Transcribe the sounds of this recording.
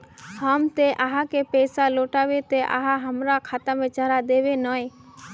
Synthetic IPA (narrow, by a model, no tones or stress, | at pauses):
həmt̪eʔaɦãkepɛːsaloːʈaʋet̪eʔa̰ɦãɦəmɾakʰat̪amẽt͡ʃəɾad̪eʋenəe